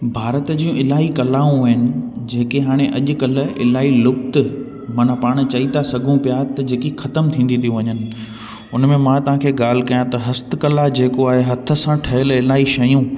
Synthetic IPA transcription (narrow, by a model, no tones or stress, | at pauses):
bʱaːɾət̪d͡ʑiːũʔɪlaːɦikɐlaːũʋɐɦɪnɪ̆ | d͡ʑeːkeɦaːɽ̃eʔɐʄʊ̆kɐl̆ɪ̰laːilʊb̚t̪ɪ̆ | mɐnapaːɽ̃̆t͡ɕɐit̪asɐɡʱũpijat̪ɐd͡ʑeːkixɐt̪əmt̪ʰĩːnd̪ĩnijũʋɐɲənɪ̆ | ʊnmẽmãt̪ɐʋ̤ãkʰeːɠaːl̤ɪ̆kɐjãt̪ɐɦɐst̪̆kɐlad͡ʑeːkoaːɦeɦɐt̪ʰə̆sãʈʰɐɦəlɪlaːiʃɐjũ